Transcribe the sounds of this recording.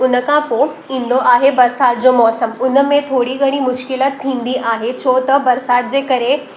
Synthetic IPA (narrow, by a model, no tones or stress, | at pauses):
ʊnəkãpo | ĩːnd̪oʔaːɦebɐɾsaːt̪̚d͡ʑomɔːsəmʊnəmẽt̪ʰoːɽiɡʱəɽ̃imʊʃkɪlət̪ʰːĩːnd̪iʔaːɦet͡ɕʰoːt̪ɐbɐɾsaːt̪̚d͡ʑeːkɐɾe